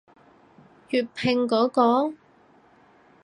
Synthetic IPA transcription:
jyː˨˧t̚pʰɪ˨˧ŋkɔː˨˥kɔː˨˥ŋ

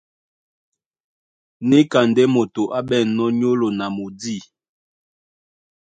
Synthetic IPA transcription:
ne˦ka˨ndɛ˦mo˨to˨ʔa˦bɛ˦˨nɔ˦ɲo˦lo˨na˨mo˨di˦˨

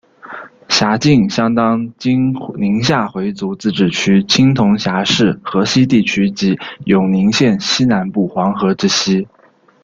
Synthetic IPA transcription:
ɕja˧˥t͡ɕi˥˩ŋɕjɑ˥ŋt̪ɑ˥ŋt͡ɕi˥ŋni˧˥ŋɕja˥˩xwe˧˥ɪt͡su˧˥t͡sɹ̩˥˩ʈ͡ʂɻ̩˨˩t͡ɕʰy˥t͡ɕʰi˥ŋt̪ʰʊ˧˥ŋɕja˧˥ʂɻ̩˥˩xɤ˧˥ɕi˥t̪̬i˥˩t͡ɕʰy˥t͡ɕi˧˥jʊ˨˩ŋni˧˥ŋɕjɛ˥˩nɕi˥na˧˥npu˥˩xwɑ˧˥ŋxɤ˧˥ʈ͡ʂɻ̩˥ɕi˥

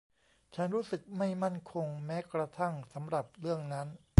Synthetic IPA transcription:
t͡ɕʰa˦˥nɾuː˦˥sɯ˨˩k̚ma˥˩jma˥˩nkʰo˧ŋmɛː˦˥kɾa˧t̪ʰa˥˩ŋsa˩˦mɾa˨˩p̚ɾɯ˥˩əŋna˦˥n

